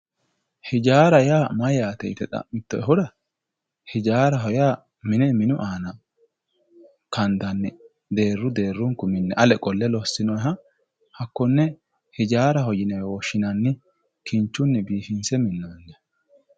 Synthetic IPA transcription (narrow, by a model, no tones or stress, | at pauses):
hɪd͡ʒaːɾɐjaːmɐjaːt̪ɛɪt̪ɛt̪ʼɐ̰mɪt̪ːɔɛɦʊd̪ɐ | hɪd͡ʒaːɾɐɦɔjaː | mɪnɛmɪnʊʔaːnɐ | kɐnd̪ɐnːɪ | d̪e̞ːrːʊd̪e̞ːrːʊŋkʊmɪnːɛʔɐlɛkʼɔlːɛlɔsːɪnɔjɦɐ | hɐkːɔnːɛ | hɪd͡ʒaːɾɐɦɔjɪnɛwɔʃːɪnɐnːɪ | kʰɪnt͡ʃːʊnːɪbiːfɪnsɛmɪnːɐndɐ